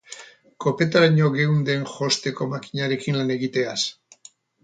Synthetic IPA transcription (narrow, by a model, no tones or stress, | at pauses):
ko̞pet̪aɾaɲo̞ɣewnd̪e̞nxo̞st̪e̞ko̞makiɲaɾe̞kinlane̞ɣit̪e̞as